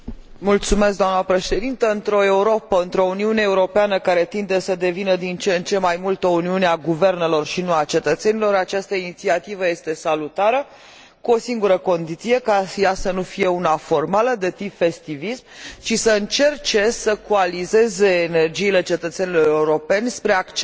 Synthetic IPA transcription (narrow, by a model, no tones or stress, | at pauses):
mult̪sumesk̚d̪amnəpɾe̞ʃe̞d̪int̪əɨnt̪ɾo̞e̞uɾo̞pəɨnt̪ɾo̞uniuneːuɾo̞peanəkaɾe̞t̪ind̪e̞səd̪e̞vinəd̪int͡ʃent͡ʃe̞majmult̪ouniuneaɡuve̞rne̞lo̞rʃinuat͡ʃe̞t̪ət̪se̞nilo̞ɾat͡ʃast̪əinit̪siat̪ivəje̞st̪e̞salut̪aɾə | kuo̞siŋɡuɾəko̞nd̪it̪sije̞kajasənufije̞unafo̞rmaləd̪e̞t̪ipfe̞st̪ivismʃisəɨnt͡ʃe̞rt͡ʃe̞səkualize̞ze̞ːne̞rd͡ʒiːle̞t͡ʃe̞t̪ət̪se̞nilo̞ɾeuɾo̞pe̞nʲspɾeakt͡ʃ